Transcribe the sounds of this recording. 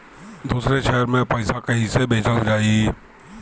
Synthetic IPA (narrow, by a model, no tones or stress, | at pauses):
d̪uːsɾeʃɛːəɾmẽpaɪsakeɪsebʱeːt͡ʃəd͡ʒaːiː